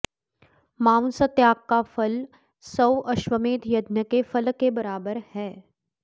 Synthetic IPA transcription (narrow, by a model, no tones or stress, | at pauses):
maːsət̪jaːkːafɐl | sɐwʔɐʃwəmeːt̪jɐd̪nəkefɐlkːebɐɾaːbəɾhɛː